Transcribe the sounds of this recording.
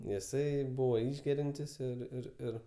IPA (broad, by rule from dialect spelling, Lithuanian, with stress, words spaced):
jɪˈsɐɪ ˈbuːʋoː ˈɪʒʲɡʲɛrʲɛnʲtʲɪs ɪr ɪr ˈɪr